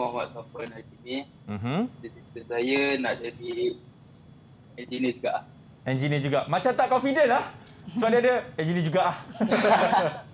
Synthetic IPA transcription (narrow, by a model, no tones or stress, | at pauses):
mawaʔsapənaikinĩ | m̩mm̩səsit̪əsajənaʔd͡ʒadi | ɛnd͡ʒinid͡ʒuɡaʔlah | ɛnd͡ʒinĩəd͡ʒuɡaʔmãt͡ʃamt̪aʔkɔnfidənah | səbaʔdiadəɛnd͡ʒinĩd͡ʒuɡaʔah